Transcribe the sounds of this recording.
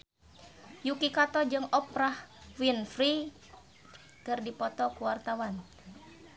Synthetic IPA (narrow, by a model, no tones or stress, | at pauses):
jukikat̪ɔd͡ʒɨŋɔpɾahwinfɾi | kɨrdipɔt̪ɔkuwart̪awan